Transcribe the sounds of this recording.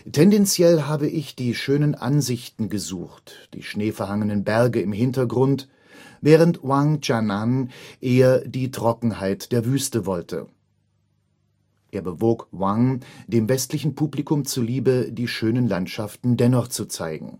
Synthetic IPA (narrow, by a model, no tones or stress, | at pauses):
tʰɛndɛnt͡sjɛlɦaːbəʔɪçd̥iːʃøːnənʔa̰nzɪçtn̩ɡəzṵːxtd̥ḭːʃneːfɛɐɦaŋənənbɛɐɡəɪmɦɪntɐɡʁʊnt | vɛːʁ̞əntwaŋd͡ʒananʔeːɐdiːtʁ̥ɔkŋ̩haɪtd̥eːɐvyːstəvɔltʰə̰ | ʔeːɐbəvoːkwaŋdeːmvɛstlɪçn̩pʰuːblikʊmt͡suːɐliːbədiːʃøːnənlantʃaftn̩dɛnɔχt͡sut͡sa̰ɪɡŋ̩